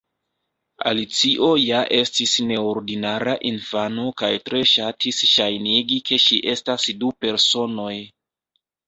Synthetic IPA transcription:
a̰lit͡siʔo̞jaʔe̞stisne̞oɾdinaɾaʔinfanokajtɾe̞ʃatʰisʃajniɡike̞ʃiʔe̞stasdupe̞ɾso̞no̞j

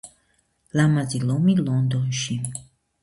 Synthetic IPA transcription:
lamazilomilɔnd̪oʃim

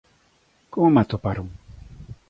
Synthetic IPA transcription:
koŋmat̪opaɾuŋ

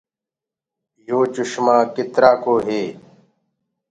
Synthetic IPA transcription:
joːt͡ʃʊɕmãːkɪt̪ɾaːkoːɦeː

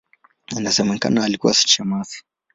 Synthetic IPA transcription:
nazɐmɐŋkɐ̰naalikuwa̰su̥t͡ʃemasi̥

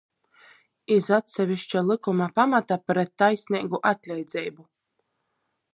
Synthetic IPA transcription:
izat̪sʲɛvʲiʃt͡ʃalˠɨkumapamat̪apɾɛt̪ːajsʲnʲiːɡuʔat̪ʲlʲɛjd̪z̥ʲɛjbu

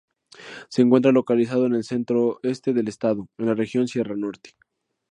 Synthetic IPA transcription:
seːŋkwe̞nt̪ɾalo̞kalis̬að̞o̞ene̞lse̞nt̪ɾo̞e̞st̪e̞ðe̞lest̪aðo̞enlare̞xjo̞nsje̞rano̞ɾt̪e̥

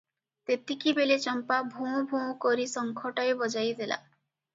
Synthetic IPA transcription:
t̪et̪ikibelet͡ʃɔmpabʱũbʱũkɔɾisɔŋkʰɔʈaebɔd͡ʒajd̪ela̰

